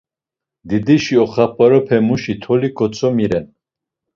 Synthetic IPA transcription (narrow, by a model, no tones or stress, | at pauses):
d̪id̪iʃiɔχapaɾɔpʰɛmuʃit̪ʰɔliɡɔt͡sʰɔmiɾɛn